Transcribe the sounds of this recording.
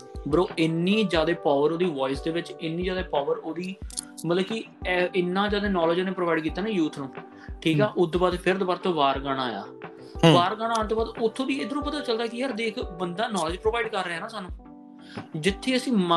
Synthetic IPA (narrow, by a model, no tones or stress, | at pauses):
bəɾoːʔɪnːiːd͡ʒjaːd̪eːpaːʋəɾoːd̪iːʋɔːɪsd̪eːʋɪt͡ʃɪnːiːd͡ʒjaːd̪eːpaːʋəɾoːd̪iː | mət̪ləbkɪ | ɪnːãːd͡ʒjaːd̪eːnɔːləd͡ʒõːneːpɾoːʋaːɪɖkiːt̪ːaːnaːjuːt̪ʰnũː | ʈʰiːkaːʔʊd̪baːd̪pʰɪɾd̪baːɾt̪õːʋaːɾɡaːɽ̃aːja̰ː | ʋaːɾɡaːɽaːnt̪oːbaːd̪ʊt̪ʰːõːd̪iːeːd̪ənõːpət̪aːt͡ʃəld̪aːkɪəɾd̪eːɪkbənd̪aːnɔːləd͡ʒpɾoːʋaːɪɖkəɾːəeaːnãːsaːnũː | d͡ʒɪt̪ʰːeːəsĩːma